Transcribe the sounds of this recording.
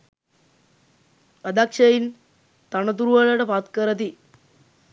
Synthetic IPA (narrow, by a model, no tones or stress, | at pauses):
ɐd̪aːkʂɐjin | t̪ɐɳɐt̪uɾuʋɐɭɐɽepaːt̪kɐɾɐt̪i